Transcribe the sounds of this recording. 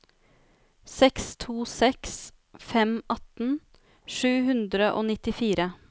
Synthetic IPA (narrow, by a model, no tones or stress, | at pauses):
sɛkst̪ʰuːsɛks | fɛmɑt̪n̩ | ʂʉːhʉnd̪ɾəʔoːnɪt̪ɪfiːɾə